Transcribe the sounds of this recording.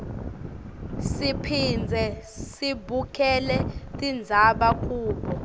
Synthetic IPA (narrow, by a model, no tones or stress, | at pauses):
sipʰind͡zʱɛ | sibʱukʰʼɛlɛtʼind͡zʱaɓak̬ʼuːɓɔ